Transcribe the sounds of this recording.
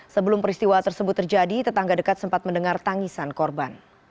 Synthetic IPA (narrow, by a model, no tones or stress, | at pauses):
səbəlʊmpəɾist̪iwat̪ərsəbʊt̪ːərd͡ʒadit̪ət̪aŋɡadəkat̪̚səmpat̪̚məndəŋart̪aŋisankɔrban